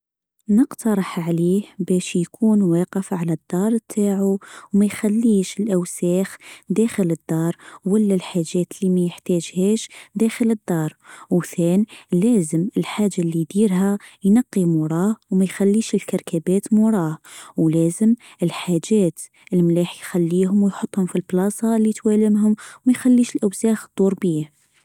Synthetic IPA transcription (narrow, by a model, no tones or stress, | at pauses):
nəqt̪ɑɾˤɑħʕliːhbæʃjkʰuːnwæqəfʕalæd̪ːɑɾˤt̪ʰaʕuwmæjxælːiʃəlʔæwsæxd̪æxələd̪ːɑɾˤwəlːælħaʒːæt̪limæjəħt̪æʒhæʃd̪æxələd̪ːɑɾˤwθænlæzəməlħaʒːalːid̪iɾɦæjnɑqːimʊɾˤɑhwmæjxælːiʃəlkɑɾˤkʰæbæt̪muɾˤɑhwlæzəm | əlħaʒæt̪ | əlmlæħjxælːiɦʊmwjħot̪ˤːhʊmfilblɑsˤɑlːit̪wæləmɦʊmwmæjxælːiʃəlʔæwsæxd̪̥ˤuɾˤbih